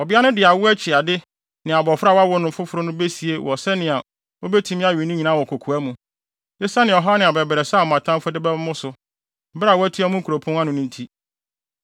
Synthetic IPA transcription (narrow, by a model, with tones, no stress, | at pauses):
ɔ˨bɪ˦a˦nʊ̃˦dɪ˨a˨wʊ˦æ˦t͡ɕʰɪ˨a˨dɪ˦ | nɪ̃˨a˨bɔ˨fɾa˦˨wa˦wɔ˦nʊ̃˨˦fʊ˦fʊ˨ɾʊ˦nʊ̃˦be˦si˨e˦wʔɔ˨sɛ˦nɪ̃˨a˨ | o˦be˦tʰũ˦mɪ̃˦a˦ɥɪ˨nʊ̃˦ɲi˨nã˦wɔ˨kʰo˨kʰu˨æ˦mũ˨ | dɪ˦sa˦nɪ̃˨ɔ˨ɦɔ˦nɪ̃˨a˨bɛ˨bɛ˨ɾɛ˨sa˦˨ɔ˨mã˨tʰã˦m˦fʊ˦dɪ˦bɛ˦mːʊ̃˦sʊ˨˦ | bɪ˦ɾa˨wɔ˦æ˦tʰi˦a˦mʊ̃˦ŋ̩˦kʰu˨ɾo˨pʰɔ̃˦nã˦nʊ̃˨nʊ̃˦n̩˦tʰi˦